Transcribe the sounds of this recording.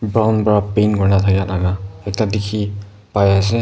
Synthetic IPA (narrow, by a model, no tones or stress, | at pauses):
bɹawnpɔɹapenkɔɹnatʰakɛatʰaɡaɛk̚tadikʰi | pajas̬ɛ